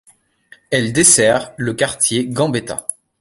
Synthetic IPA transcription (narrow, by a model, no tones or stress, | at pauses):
ɛld̪esɛʁləkaʁt̪jeɡɑ̃bet̪a̰